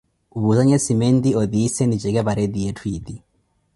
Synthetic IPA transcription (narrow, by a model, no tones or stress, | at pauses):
uβuzaɲɛsimɛnd̪iɔðisɛnid͡ʒɛɡɛβaɾɛd̪iɛtʰwid̪i